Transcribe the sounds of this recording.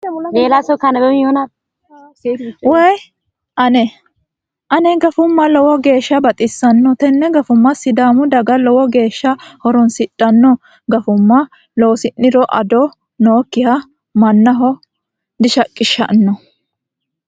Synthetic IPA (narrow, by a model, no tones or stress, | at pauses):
meːlasɔkɐnɐbɛmɪjona | wɛj | ʔɐnɛ | ʔɐnɛɡɐfʊmːɐlɔwɔɡe̞ːʃːɐbɐt̪ʼɪsːɐnːɔt̪ɛnːɛɡɐfʊmːɐsɪd̪aːmʊd̪ɐɡɐlɔwɔɡe̞ːʃːɐhɔɾɔnsɪtʼːɐnːɔ | ɡɐfʊmːɐ | lowsɪnːɪɾɔʔɐ̰d̪ɔ | noːkːɪhɐ | mɐnːɐɦɔ | d̪ɪʃɐkʼːɪʃːɐ̰ʔnːɔ